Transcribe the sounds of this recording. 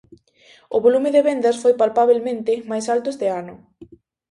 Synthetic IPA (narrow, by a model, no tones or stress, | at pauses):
ʊβolumɪðeβend̪ɐsfojpalpaβ̞elmẽnt̪ɪmajsalt̪ʊezd̪eanʊ